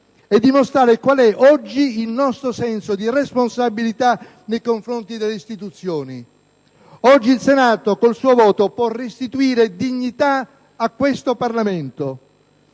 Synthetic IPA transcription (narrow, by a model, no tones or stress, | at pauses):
ɛd̪ːimost̪ɾaːɾekwalɛʔɔd͡ʒːiːlnɔst̪ɾosɛnsod̪iresponsabilit̪a | nejkoɱfɾont̪id̪elːeist̪it̪ut̪sːjoːni | ɔd͡ʒːilsenaːt̪okolsuːovɔːt̪opwɔrest̪it̪uiːɾed̪iɲːit̪a | akːwest̪oparlament̪o